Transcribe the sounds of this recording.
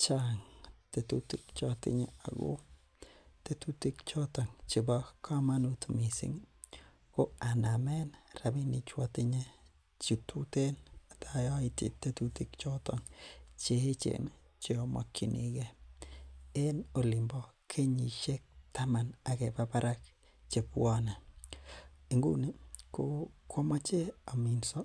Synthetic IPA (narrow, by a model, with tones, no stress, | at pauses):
t͡ʃaŋtetuti˦kt͡ʃɔtɪ̰˦ɲe˦a̰˨ɡo̰˦ | te˦tuti˦kt͡ʃɔ˦tɔ˨ŋt͡ʃi˨ba˦kʰa˦ma˦nu˦tmi˨sḭ˦ŋ | ko˦a˨na˨mɛ˦nrabi˦ni˨t͡ʃwatɪ˦ɲe˦ | t͡ʃi˨tʰute˦nat̪ajɔ˦itḭ˨t̪ːe˦tuti˦kt͡ʃɔ˦tɔŋt͡ʃe˦he˦t͡ʃḛ˨n | t͡ʃe˦o˨mɔ̰˨kʰːi˨nḭ˨ɡe˦ | e˦no˨li˨mbɔ˦kʰe˦ɲi˨ʃe˦k̚ta˦ma˨na˨ke˨pa˦pa˦ɾa˦k | t͡ʃe˨pwɔ˦na˨ | i˨ŋɡṵ˦ni˦ko˦ko˦mɔ˦t͡ʃe˦a˨mi˨nsɔ˦